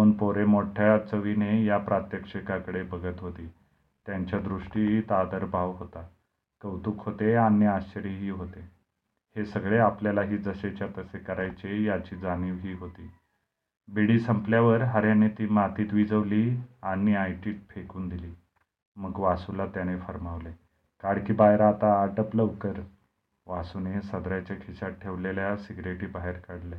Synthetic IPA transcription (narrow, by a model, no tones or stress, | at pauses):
uːnpoɾemoʈʰjat͡səʋinejapɾat̪jəkʂekakəɽebəɡət̪ɦot̪iː | t̪jaɲt͡ɕjad̪ɾuʂʈiɦiːt̪ad̪əɾbʱaʋɦot̪a | kəʋt̪uːkɦot̪eaniaɕt͡ɕəɾiɦiːɦot̪e | hesəɡɭeapljalaɦiːd͡zəɕet͡ɕjat̪əsekəɾajt͡ɕejat͡ɕiːd͡zaniːʋɦiːɦot̪iː | biɽiːsəmpljaʋəɾɦəɾjanet̪iːmat̪iːt̪ʋid͡zəʋliːaniajʈiːt̪̚fʰekuːnd̪iliː | məɡʋasulat̪janefəɾmaʋle | kaɽkiːbajɾaːt̪aːʈəpləʋkəɾ | ʋasunesəd̪ɾat͡ɕakʰiɕaʈʰeʋleljasiɡɾeʈiːbaɦeɾkəɽle